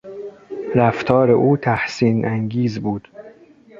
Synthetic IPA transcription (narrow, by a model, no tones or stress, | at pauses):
ɾæft̪ʰɒːɾe̞ʔuːt̪ʰæhsiːnʔæŋɡiːzbuːd̪̥